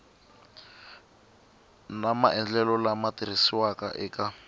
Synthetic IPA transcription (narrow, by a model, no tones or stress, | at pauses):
namaʔɛnd͡ɮɛlɔlamatiɾisiwaka̰ʔɛkʼa